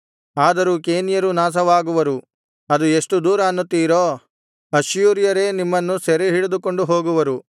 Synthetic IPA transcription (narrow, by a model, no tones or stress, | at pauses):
aːd̪ɐɾukeːnijɐɾunaːs̬ɐʋaːɡuʋɐɾu | ɐd̪ueʂʈud̪uːɾɐɐnːut̪ːiːɾoː | ɐʃjuːɾijɐɾe̞ːnimːɐnːusɛɾeɦiɭed̪uko̞ɳɖuɦo̞ːɡuʋɐɾu